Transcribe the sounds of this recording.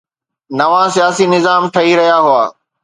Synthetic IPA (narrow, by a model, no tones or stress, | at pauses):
nɐʋãsijaːsinɪzaːmʈʰɐiɾɐɦijaɦʊaː